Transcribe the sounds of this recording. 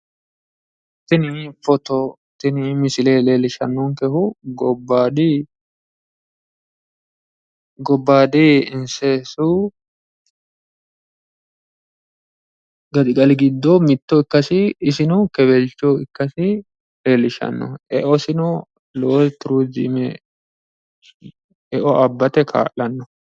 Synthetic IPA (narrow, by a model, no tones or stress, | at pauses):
t̪ːɪnifɔt̪ɔ | t̪ɪnɪmɪsɪleːleːlɪʃɐ̰nːɔŋkɛhʊɡɔbːaːd̪ɪ | ɡɔbːaːd̪ɪɪnsɛsu | ɡɐd̪ɪkʼɐlɪɡɪd̪ːɔmɪt̪ːɔɪkːɐsɪːsɪnʊkɛbɛlt͡ʃːɔɪkːɐsɪ | elɪʃɐ̰nːɔ̰ʔɛʔɔsɪnɔ | loːt̪ʊɾud͡ʒɪmɛ | ɛʔɔʔɐbːɐt̪ɛkʰa̰ːʔlɐnːɔ